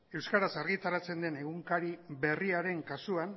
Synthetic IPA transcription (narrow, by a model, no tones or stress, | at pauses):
e̞wskaɾasaɾɣit̪aɾat͡se̞nd̪e̞ne̞ɣ̞uŋkaɾiβe̞riaɾe̞ŋkasuan